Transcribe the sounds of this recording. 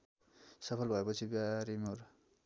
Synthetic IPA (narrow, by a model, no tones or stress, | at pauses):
sʌpʰʌlbʱʌepʌt͡sʰibaɾimoɾ